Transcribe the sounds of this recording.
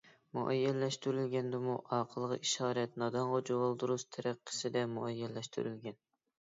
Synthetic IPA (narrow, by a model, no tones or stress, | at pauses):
mṵʔɛjːɛlːɛʃt̪yɾylɡʲɛnd̪ɪmuʔɑːqʰəlˠəʁɑ̰ʔiʃɑːɾɛt̪nɑd̪ɑɴʁɑd͡ʒowɑlˠd̪uɾuʃt̪ʰɛɾʔæqʰːɪ̥sɪd̪ɛmuɛjːɛlːɛʃt̪ʰy̰ɾylɡʲɛn